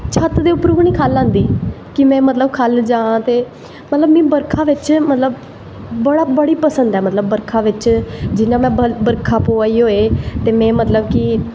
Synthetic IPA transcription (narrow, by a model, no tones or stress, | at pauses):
t͡ʃʰət̪d̪eːʊpɾuːɡnĩːkʰaːlːãːnd̪iː | kɪmɛ̃ːmət̪ləbkʰald͡ʒãːt̪eː | mət̪ləbmɛ̃ːbəɾkʰãːʋɪt͡ʃmət̪ləbː | əɽaːbəɽiːpəsənd̪ɛːmət̪ləbːəɾkʰaːʋɪt͡ʃd͡ʒɪnãːmɛ̃ːbəɾkʰaːpoːaːiːɦoːeːt̪eːmɛ̃ːmət̪ləbkɪ